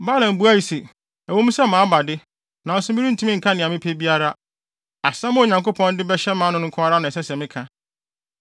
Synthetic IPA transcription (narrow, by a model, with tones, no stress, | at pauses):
ba˦lã˨m˨bu˦a˦˨i˨se˨ | æ˨wõ˦m˦sɛ˦mãː˨˦ba˨dɪ˦ | nã˨n̩˦sʊ˦mi˦ɾi˦n̩˨tʰũ˦mĩ˦ŋ̩˨kʰa˦nɪ̃˨a˨mɪ̃˦pʰe˦bi˦a˦ɾa˦ | a˨sã˦mʊ̃˦o˨ɲã˨ŋko˦pʰɔ̃˦ndɪ˦bɛ˦ɕɛ˦mãː˦nʊ̃˦ŋʊ̃˦ŋ̩˦kʰʊ˦a˦ɾa˦nã˨ɛ˨sɛ˦sɛ̃˨mɪ̃˦kʰã˨